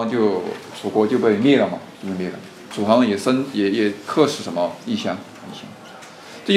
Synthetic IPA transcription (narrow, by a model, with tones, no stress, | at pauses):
ŋt͡ɕjo˥˩ʊʂʰu˨˩kwɔ˧˥t͡ɕjo˥˧ʊpe˥˧ɪmjɛ˥˧lə˨˩mɐ˩t͡ɕjo˥˧pe˥˧mɛ˥˩ə̰˧˩m˨ | ʈ͡ʂʰu˨˩fɑ˧˥ŋ˩jɛ˨˩sə˥njɛ˨˩jɛ˨˩kʰɤ˥˧ʂɻ̩˥˩ʂə˧˥nmə˧i˥˧˩ɕjɑ˥ŋ | i˥˩ɕjɑ̰˥ŋ | ʈ͡ʂ